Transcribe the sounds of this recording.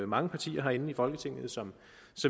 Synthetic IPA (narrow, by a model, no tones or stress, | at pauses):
mɑ̈ŋəpʰɑ̈t͡sʰḭːɐɦɑ̈e̝nn̩ifɒ̽lɡ̥ət͡sʰe̝ŋ̰ð̩ˠsɒ̽m | sɒ̽m